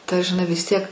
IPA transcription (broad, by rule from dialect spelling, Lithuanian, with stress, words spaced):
tɐ ʒʲɪˈnɐɪ ʋʲɪs ˈtʲiɛk